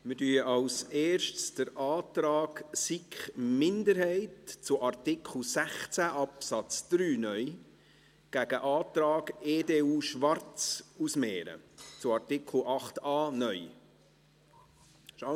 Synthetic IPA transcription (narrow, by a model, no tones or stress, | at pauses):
mɪɾdyːəʔɑlseːɾʃtsd̥əɾʔɑːt̪ɾɑːksikχmɪndəɾhɛɪtt͡sʊʔɑrtɪkʰχl̩ˠsæχt͡sæʔɑpsɑt͡sd̥ɾyːnœʏ | ɡ̥æɡəʔɑːt̪ɾɑːɡeːdeːuːʃʋɑɾt͡susmɛːɾə̰t͡sʊɑrtɪkl̩ʔɑχtɑːnœʏ | ʃa